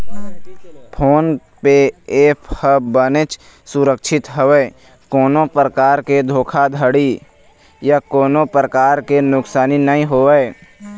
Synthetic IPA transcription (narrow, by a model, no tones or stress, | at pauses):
pʰoːn | peeːpʰhəbənet͡ʃ | sʊɾəkʃʰɪt̪ɦəweː | koːnopɾəkaːɾked̪ʱoːkʰad̪ʱəɽi | jakoːnopɾəkaːɾkenʊksaːninəɦĩɦoːe